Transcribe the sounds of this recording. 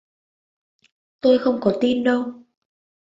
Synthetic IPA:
t̪o˧jxə˧wŋ͡mkɔ˨˦t̪i˧nɗə˧w

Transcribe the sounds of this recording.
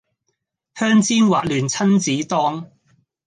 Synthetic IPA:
hœː˥ŋt͡siː˥nwaː˨t̚lyː˨˩nt͡sʰɐ˥nt͡siː˨˥t̪ɔː˥ŋ

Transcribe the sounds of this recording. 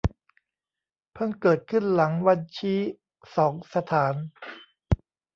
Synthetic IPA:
pʰɤ˥˩nkɤː˨˩t̪̚kʰɯ˥˩nla˩˦ŋwa˧nt͡ɕʰiː˦˥ | sɔː˩˦ŋsa˧t̪ʰaː˩˦n

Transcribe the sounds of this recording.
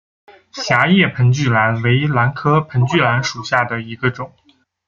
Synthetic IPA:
ɕja˧˥jɛ˥˩pʰə˧˥nt͡ɕy˥˩la˧˥nwe˧˥ɪla˧˥nkʰɤ˥pʰə˧˥nt͡ɕy˥˩la˧˥nʂu˨˩ɕja˥˩d̪ə˩i˧˥ɡə˧ʈ͡ʂʊ˨˩˦ŋ

